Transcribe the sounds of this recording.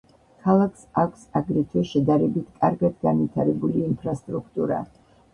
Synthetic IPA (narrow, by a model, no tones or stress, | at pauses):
kʰalˠakʰsakʷʰsaɡɾit̪ʰwɛʃɛd̪aɾɛbit̪ʰkʼaɾɡad̪ɡanvit̪ʰaɾɛbuliːmpʰɾast̪ʼɾukʰt̪ʼuɾa̰